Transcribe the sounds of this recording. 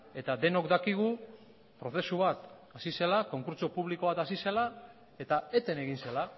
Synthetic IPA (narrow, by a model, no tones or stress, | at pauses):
e̞t̪ad̪e̞no̞kd̪akiɣ̞u | pɾo̞θe̞suβ̞at̪ | asise̞lako̞ŋkuɾt͡ʃo̞puβliko̞β̞at̪asise̞la | e̞t̪ae̞t̪e̞ne̞ɣinse̞la